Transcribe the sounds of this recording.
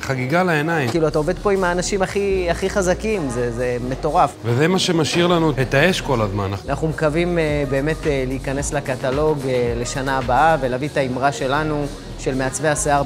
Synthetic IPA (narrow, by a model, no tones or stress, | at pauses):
χaɡiɡalaenajikiːluataove̞d̪̚po̞imaːnaʃimaχiaχiχazakimzezeme̞t̪o̞ʁafvezemaʃe̞maʃiʁlanuhet̪aeʃko̞lazma̰nanaχnumkavimebe̞ːme̞teleikane̞slakat̪alo̞ɡle̞ʃanaːbaave̞lavit̪aimʁaʃe̞lanu | ʃe̞lmeat͡sve̞aseaʁ